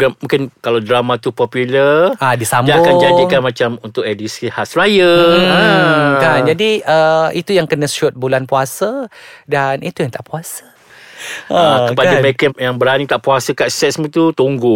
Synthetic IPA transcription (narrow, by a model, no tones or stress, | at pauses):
ɡamũŋkɪnkalawdɾamãt̪upɔpuləʔadisamdaakand͡ʒadikanmãt͡ʃamunt̪ʊkɛdisihasrajə | kand͡ʒadiəit̪ujaŋkənə̃sʊt̪̚bulanpuasadanit̪ujaŋt̪aʔpuasḁ | əəkəpadaməɾekəjaŋbəɾanit̪aʔpuasəkaʔsɛt̪̚smũt̪ut̪uŋɡʊ